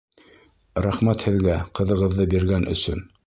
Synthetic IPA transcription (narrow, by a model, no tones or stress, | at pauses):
ɾæχmæt̪hɘ̆ðɡæqɤ̆ðɤ̆ʁɤ̆ðːɤbiɾɡænʔɵ̰̆sɵ̰n